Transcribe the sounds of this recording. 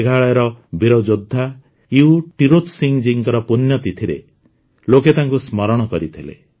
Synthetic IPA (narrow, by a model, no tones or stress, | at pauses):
ɡʱaɭɔjɾɔbiɾɔd͡ʒod̪ʱːa | iuʈiɾot̪siŋd͡ʒiŋkɔɾɔpunjɔt̪it̪ʰiɾḛ | loket̪aŋkusmɔɾɔɽ̃ɔkɔɾit̪ʰilḛ